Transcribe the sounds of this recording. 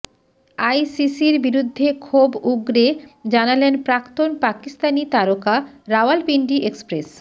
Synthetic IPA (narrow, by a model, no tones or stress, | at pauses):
ajsisiɾbiɾud̪ʱːekʰobuɡɾed͡ʑanalenpɾakt̪onpakist̪anit̪aɾoka | ɾawalpiɳɖiʔekspɾes